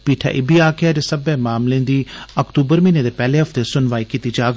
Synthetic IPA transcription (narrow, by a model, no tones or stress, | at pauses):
piːʈʰa̰ːʔɪbiːaːkɪaːd͡ʒesəbeːmaːmlẽːnd̪iːəkt̪uːbəɾmĩːneːd̪eːpɛːleːɦəpʰt̪eːsʊnʋaːiːkit̪iːd͡ʒaːɡ